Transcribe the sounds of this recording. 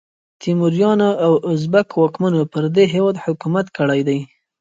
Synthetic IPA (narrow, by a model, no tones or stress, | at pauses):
t̪imʊɾjɑnaawʊzbakwɑkmanopəɾd̪eɦewɑd̪hʊkumat̪kəɽajd̪aj